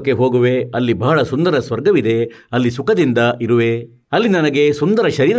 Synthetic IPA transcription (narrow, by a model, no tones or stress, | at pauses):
kːeɦo̞ːɡuʋe̞ɐlːibɐɦɐɭɐsund̪ɐɾɐsʋɐɾɡɐʋid̪e̞ɐlːisukɐd̪ind̪ɐʔiɾuʋe̞ | ɐlːinɐnɐɡe̞sund̪ɐɾɐʃɐɾiːɾɐ